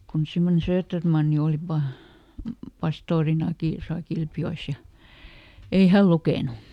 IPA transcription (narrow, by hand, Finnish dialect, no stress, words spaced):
kun semːone søːtːermɑnːi oli pɑ pɑstoːrinɑki tosɑ kilpjoes jɑ ei hæl lukeˑnu